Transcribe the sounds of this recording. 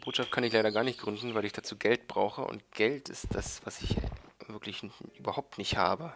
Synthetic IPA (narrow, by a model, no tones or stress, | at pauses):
b̥oːtʃaftkʰanɪçlaɪɾɐɡaːɐnɪçt̚ɡ̥ʁʏndn̩vaɪlɪçd̥at͡suːɡɛlt̚b̥ʁaʊxəʔʊ̰nt̚ɡ̥ɛltɪ̰std̥asv̥asɪçvɪɐklɪçʔyːbɐhaʊp̚tnɪçtha̰ːbə